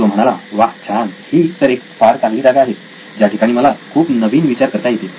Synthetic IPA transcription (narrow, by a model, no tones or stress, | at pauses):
tom̤əɽ̃alaʋakt͡ɕʰanhiːt̪əɾek̚faɾt̪ãŋɡliːd͡zaɡaaɦe | d͡ʑjaʈʰikaɽ̃iːməlakʰuːpnəʋiːnʋit͡ɕaɾkəɾt̪ajet̪e